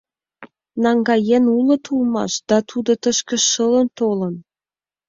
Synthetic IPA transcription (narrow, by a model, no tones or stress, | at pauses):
nɑŋɡɑjenulɤ̆t̪ʰulmɑ̰ʃd̪̥ɑt̪ʰud̪ot̪əʃkə̆ʃːələnt̪olə̆n